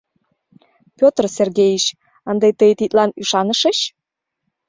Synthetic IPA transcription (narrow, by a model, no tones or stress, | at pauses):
pʲot̪rserɣejiɕ | ɑnd̪ejt̪əjt̪it̪lɑnyʃɑnəʃəɕ